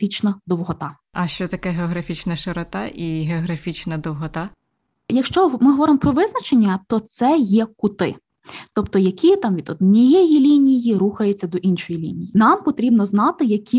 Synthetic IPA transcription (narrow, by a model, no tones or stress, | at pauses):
fʲit͡ʃnɐd̪ɔwɦɔt̪ɑ | ɐʃt͡ʃɔt̪ɐkɛɦeɔɦɾɐfʲit͡ʃnɐʃeɾɔt̪ɑ̰ʔiɦeɔɦɾɐfʲit͡ʃnɐd̪ɔwɦɔt̪ɑ | jɐkʃt͡ʃɔmɪɦɔʋɔɾɪmpɾɔʋɪznɐt͡ʃenʲːɐt̪ɔt̪sɛjɛkʊt̪ɪ̰ | t̪ɔpt̪ɔjɐkʲʰit̪ɑmʋʲid̪ɔd̪nʲijɛjilʲinʲijiɾuxɐjet͡sʲːɐd̪ɔʔinʃɔjilʲḭnʲijinɑmpɔt̪ɾʲibnɔznɑt̪ɪjɐkʲʰi